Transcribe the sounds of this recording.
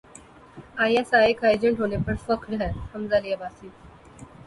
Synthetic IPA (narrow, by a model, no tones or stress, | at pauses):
ãjãsaekajd͡ʑəɳʈɦonepəɳfəkʰɾɛhəmd͡zalijabasiːt̪